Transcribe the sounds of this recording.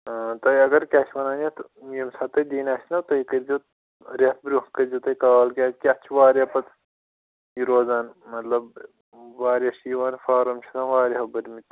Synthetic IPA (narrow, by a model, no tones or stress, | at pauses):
t̪ɐjɐɡɐɾkʲaːʃʰʋɐnaːnʲɐt̪ | jimsaːt̪ɐd̪iːnʲaːsʲnɐwt̪ɐjkɐɾʲd͡ʒo | ɾʲet̪ʰbɾʲukɐɾʲd͡ʒot̪ɐjkaːɐlkʲaːt͡ʃʲkʲiɐt͡ʃʰʋaːɾʲapɐt̪ | jiɾoːzaːnmɐt̪lɐb | ʋaːɾjaʃiːʋaːnfaːɾɐmt͡ʃʰɐ̥t̪aːnʋaːɾʲiɦɐbɐɾʲmit̪